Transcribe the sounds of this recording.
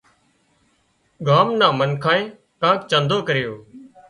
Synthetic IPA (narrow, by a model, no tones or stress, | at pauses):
ɡʱaːmnãːmənkʰãːẽː | kãːkt͡ʃãːnd̪ʱoːkəɾɪjoː